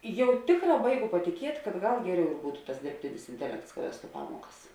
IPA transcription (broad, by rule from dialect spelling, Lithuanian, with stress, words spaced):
ˈjɛʊ ˈtʲeːkˌrɑː ˈbɐɪˌɡʊ pɐtʲɪˈkʲiɛtʲ kɐt ˈɡɐlˠ ˈɡʲæːˌrʲɛʊ ɪr ˈbuːtʊ tɐs dʲɪrʲpʲˈtʲɪnʲɪs ɪnʲtʲɛˈlʲɛkts kɐ ˈʋʲæːstʊ ˈpɑːmuɔkɐs